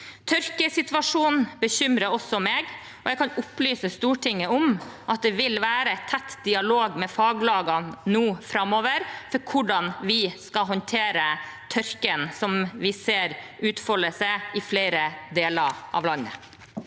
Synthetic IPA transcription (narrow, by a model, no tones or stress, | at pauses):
t̪ʰœɾkəsɪt̪ʋɑʂuːnnbəçʏmɾəɾɔsːɔmeːɡ | ɔjɛɡkʰɑnʊplyːsəst̪uːʈʰɪŋːəʊmʔɑt̪̚d̪ɛʋɪlʋæːɾəɛt̪ʰːɛt̪ːd̪ɪɑloːɡmɛfɑːɡlɑːɡɑnnuːfɾɑmoːʋəɾfɔɾkʰʊɖɑnʋɪskɑɦɔnt̪ʰeːɾət̪ʰœɾkənsɔmʋɪseːɾ | ʉːt̪fɔləsɛɪfleɪɾəd̪eːləɾʔɑ̰ʋlɑnːə̰